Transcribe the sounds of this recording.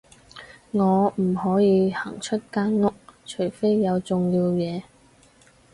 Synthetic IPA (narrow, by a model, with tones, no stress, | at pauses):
ŋɔː˨˧m̩˨˩hɔː˨˥jiː˨˧hɐ˨˩ŋt͡ʃʰɵ˥t̚kaː˥nŋʊ˥k̚t͡ʃʰɵ˨˩jfe˥jːɐ˨˧wt͡sʊ˨ŋjiː˧wjɛː˨˧